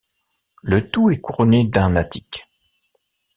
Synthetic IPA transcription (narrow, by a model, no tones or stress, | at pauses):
lət̪uɛkuʁɔned̪ɛ̃nat̪i̥k